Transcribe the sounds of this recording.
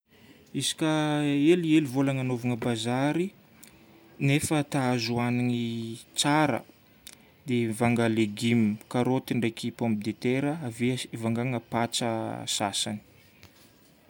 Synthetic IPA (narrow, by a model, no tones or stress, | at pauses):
izi̥kʲaelielivolaŋanovaŋəbazaɾi | nefət̪aazuaniŋit͡saɾə̰ | d̪evaŋɡaleɡimikaɾot̪iɳɖ͡ʐejkipompid̪et̪eɾəavevaŋɡaŋəpat͡sə̰sa̰sani̥